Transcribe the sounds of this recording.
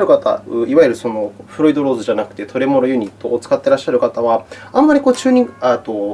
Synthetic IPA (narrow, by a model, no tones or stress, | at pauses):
ɾɯ̟kat̪a̰ɯiβaiɾɯ̟so̞no̞ɸɯ̟ɾo̞id̪o̞ɾo̞ːzɨʑanakɯ̟̥t̪e̞t̪o̞ɾe̞mo̞ɾo̞jɯ̟ɲ̟it̪ːo̞ːt͡sɨ̥kat̪ːe̞ɾaɕːaɾɯ̟kat̪aβaãmːaɾʲiko̞ːt͡ɕɨːɲ̟iat̪o